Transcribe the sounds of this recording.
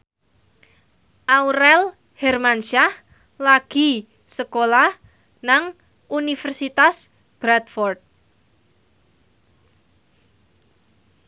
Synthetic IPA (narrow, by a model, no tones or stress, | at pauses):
ʔauɾɛl | hɛrmanʃah | laɡ̥i̤ | səkolah | naŋ | unifɛrsit̪as | b̥ɾat̪fɔrd̪̚